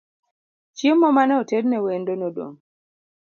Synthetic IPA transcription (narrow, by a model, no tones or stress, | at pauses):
t͡ʃiemːɔmanɛɔtednɛwendonodo̰ŋ